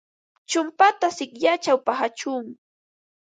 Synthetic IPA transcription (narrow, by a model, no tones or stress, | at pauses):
t͡ʃʊmpat̪asɪkʎat͡ʃawpahat͡ʃuːŋ